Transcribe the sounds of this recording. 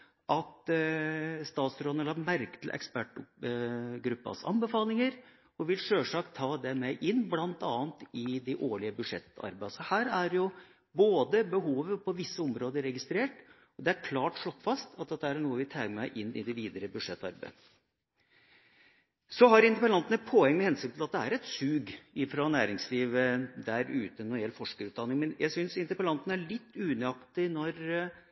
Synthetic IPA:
ʔɑt̪ | st̪ɑːt̪sɾoːnəlɑmæɾkt̪l̩ʔɛ̰kspæʈʊ | ɡɾʉpːɑ̰sɑ̰nbəfɑːlɪŋəɾ | ɔʋɪlʂøːʂɑːkt̪ʰɑːd̪ɛmɛʔɪnːblɑnt̪ɑːnt̪ɪd̪ɛʔoːɭɪəbʉʂɛt̪ːɑ̰ɾbæsɔhæːɾæɾjʊ | boːd̪əbəɦuːʋəpʰɔʋɪsːəɔmɾoːd̪əɾɛɡɪst̪ɾeːʈ | ɔd̪ɛæɾkʰlɑːʈʂlɔkːfɑst̪ʰɑt̪̚d̪ɛt̪ːæɳuːəʋɪt̪ʰæɪɡəmæɪʔɪnːɪ̰d̪ɛʋiːd̪əɾəbʉd̪ʂɛt̪ːɑ̰ɾbæ̰ | sɔɦɑɾɪnt̪əpəlɑnt̪nəpʰɔɛŋːmɛhɛnsʏnt̪ʰɪlɑt̪̚d̪ɛæɾɛt̪sʉːɡɪfɾɔnæːɾɪŋsliːʋəd̪æɾʉ̰ːt̪ənɔjɛlːfɔʂkəɾʉːt̪d̪ɑnɪŋmɛnjʔæ̰ɡsʏnsɪnt̪əpəlɑnt̪nəæɭɪt̪ːʉːnɛɑkt̪ɪnɔɾ

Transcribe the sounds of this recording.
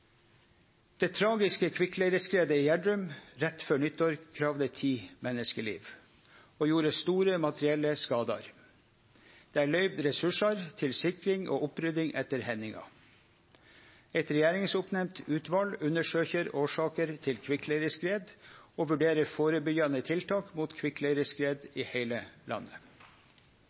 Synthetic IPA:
d̪̥eːt̪ʰɾɑːɡɪskəkʰʋɪkleːɾəskɾeːd̪əɪjæɖɾʉmɾɛt̪fœɳʏt̪ːɔːɾkʰɾɑːʋd̪ət̪ʰiːmɛnəskəɭḭːʋ | oːjuːɾəst̪uːɾəmɑt̪ɾɪɛlːəskɑːd̪ɑ̰ɾ | d̪̥eːæːɭœʏʋd̪ɾɛsʉʂɑɾt̪ʰɪlsɪkɾɪŋʔo̰ːʔʊpɾʏd̪ɪŋʔɛt̪ːəɾhɛnɪŋɑ̰ | ɛt̪ɾɛjæːɾɪŋsʊpnɛmt̪ʉːt̪ʋɑlʉnəʂøːçəɾoːʂɑːkəɾt̪ʰɪlkʰʋɪkleɾəskɾeːd̪oːʋʉɖeːɾəɾfoːɾəbʏɡɑnət̪ʰɪlt̪ʰɑːkmuːt̪kʰʋɪkleɾəskɾeːd̪iːheɪləlʔɑ̰nːə

